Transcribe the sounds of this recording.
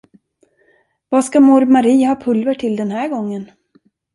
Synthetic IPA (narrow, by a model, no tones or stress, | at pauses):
vaːskamɔɾmaɾiːhɑːpʰɵlvəʈʰɪld̪ɛnhæːɾɡɔŋːən